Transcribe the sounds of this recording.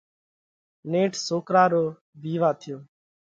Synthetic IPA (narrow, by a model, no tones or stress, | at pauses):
neːʈʰsoːkɾaːɾoː | ʋiːʋaːt̪ʰɪjoː